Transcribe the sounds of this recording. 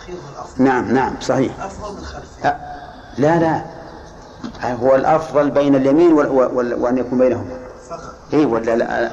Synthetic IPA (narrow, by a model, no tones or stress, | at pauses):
naʕamnaʕamsˤɑħiːħ | a | lala | ɦʊwːalʔɑfðˤɑlbejnaljamiːnwwwwanjakuːmbajnaɦʊma | ʔiːwalːala̰